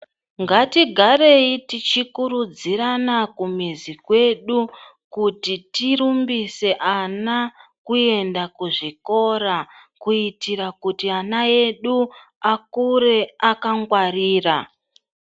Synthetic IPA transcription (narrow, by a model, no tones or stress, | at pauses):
ŋɡatiɡʱaɾe̞itit͡ʃikuɾud͡ziɾanakumizikwe̞ɗu | kutitiɾumbise̞ʔanakue̞ndakuʐiko̞ɾakuitiɾakutianae̞ɗu | akuɾe̞akaŋɡwariːra